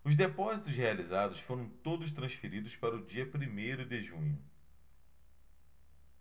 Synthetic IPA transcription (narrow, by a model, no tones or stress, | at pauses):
ʊzd̪epɔzit̪ʊshealizad̪ʊsfoɾɐ̃w̃t̪od̪ʊʃ̬t̪ɾɐ̃sfeɾid̪ʊspaɾɐʊd͡ʒiɐpɾimejɾʊd̪ɪʒũɲʊ